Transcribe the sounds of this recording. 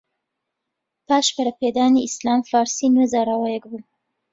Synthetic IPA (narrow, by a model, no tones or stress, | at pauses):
paːʃbɐɾɐpeːd̪aːniislaːmfaːɾsinwezaːɾaːwajɛkbuː